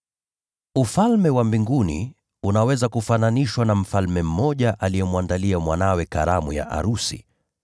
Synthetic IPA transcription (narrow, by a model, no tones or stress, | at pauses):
ufalmɛwambiŋɡunḭ | unawɛzakufananiʃwanam̩falmɛm̩ːɔʄaʔalijɛmwandaliamwanawɛka̰ɾamuja̰ʔa̰ɾusḭ